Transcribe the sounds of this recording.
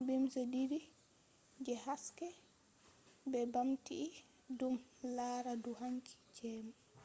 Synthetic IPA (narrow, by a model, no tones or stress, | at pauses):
bimsɔdiɾi | d͡ʒɛhaskɛ | bɛbamtiʔː | dumlaːɾaduɦaŋkʰi̥d͡ʒɛːma